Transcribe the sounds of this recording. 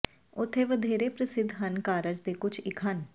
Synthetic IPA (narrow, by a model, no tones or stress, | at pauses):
ʊt̪ʰːeːʋəd̪ʱeːɾeːpɾəsɪd̪ʱɦənkaːɾəd͡ʒd̪eːkʊt͡ʃʰɪkʰən